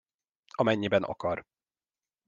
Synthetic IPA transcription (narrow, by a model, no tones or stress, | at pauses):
ɒmɛɲːibɛnʔɒ̰kɒr